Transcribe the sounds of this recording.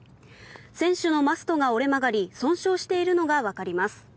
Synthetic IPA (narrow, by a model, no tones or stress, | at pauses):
sẽ̞ɰ̃ɕɨno̞masɨ̥t̪o̞ɡao̞ɾe̞maɡaɾʲisõ̞ɰ̃ɕo̞ːɕi̥t̪e̞iɾɯ̟no̞ɡaβakaɾʲimasɨ̥